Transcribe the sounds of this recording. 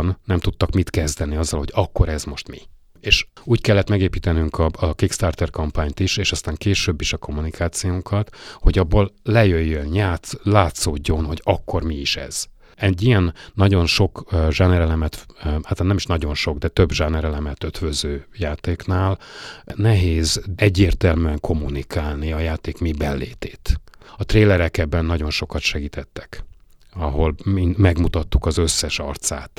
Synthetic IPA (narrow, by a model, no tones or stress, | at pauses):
nnɛmt̪ut̪ːɒkmit̪kɛzd̪ɛniɒzːɒlho̞ɟɒkːo̞ɾɛzmo̞ʃt̪mi | eːʃuːckɛlːɛt̪mɛɡeːpiːt̪ɛnyŋkɒkikst̪aːrt̪ɛrkɒmpaːɲt̪iʃeːʃɒst̪aːŋkeːʃøbːiʃɒko̞mːunikʰaːt̪sijoŋkʰɒt̪ho̞ɟɒbːoːllɛjøjːønɲaːt̪laːt̪soːɟːo̞nho̞ɟɒkːo̞rmiiʃɛ̰z̥ | ɛɟːijɛnːɒɟo̞nʃo̞kʒanɛɾɛlɛmɛt̪aːt̪laːnɛmiʃnɒɟo̞nʃo̞ɡd̪ɛt̪øbʒanɛɾɛlɛmɛt̪øt̪vøzøːjaːt̪eːknaːlnɛɦeːzɛɟːeːrt̪ɛlmyɛŋkʰo̞mːunikʰaːlniɒjaːt̪eːkmibɛnlḛːt̪eːt̪ɒt̪reːlɛɾɛkɛbːɛnːɒɟo̞nʃo̞kɒt̪ʃɛɡiːt̪ʰɛt̪ːɛ̥kɒɦo̞lmimɛɡmut̪ɒt̪ːukɒzøsːɛʃɒ̰rt̪saːt̪